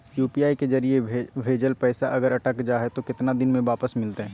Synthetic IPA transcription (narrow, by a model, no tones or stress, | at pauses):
juːpiːaːikezɐɾiebʱeːd͡ʒəlpɛːsaʔɐɡəɾɐʈəkd͡ʒaːɦɛt̪okɪt̪nad̪ɪnmẽʋaːpəsmɪlt̪eɦɛ̃ː